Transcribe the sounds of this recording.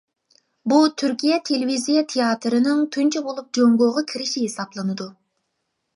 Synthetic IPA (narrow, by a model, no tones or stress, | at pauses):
but̪ʰyɾkʲʰijɛt̪ʰelevizijɛt̪ʰejɑt̪ʰɾɪnɪŋt̪ʰynt͡ʃʰɛbolˠup̚d͡ʒoŋɡoʁɑkʲʰiɾɪʃiɦesɑblˠɨnɨd̪u